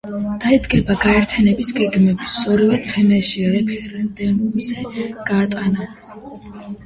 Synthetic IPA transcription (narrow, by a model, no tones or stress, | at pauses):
d̪̥aid̪ɡɛbaɡaɛɾt̪ʰjanɛbisɡɛɡmɛbisɔɾivɛt̪sʰɛmɛʃiɾɛpʰɛɾɛnd̪ɛnd̪umzɛɡ̥aːt̪ʼana